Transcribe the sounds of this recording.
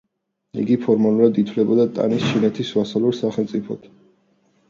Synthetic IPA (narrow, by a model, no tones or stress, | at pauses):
ḭɡipʰɔɾmalˠuɾad̪it̪ʰwlɛbɔd̪at̪ʼa̰nist͡ʃʰinɛt̪ʰisvasalɛɾsaχɛlˠt̪sʼipʰɔ̰t̪ʰ